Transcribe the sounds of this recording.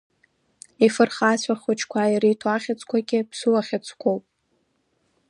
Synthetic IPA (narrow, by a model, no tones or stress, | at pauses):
ifɨrχasʷʰaχʊt͡ʃʰkʷʰajirijtʰwaχʲat͡sʷʰʼkʷʰaɡʲɪbʰsuwaχʲat͡sʷʰʼkʷʰowpʼ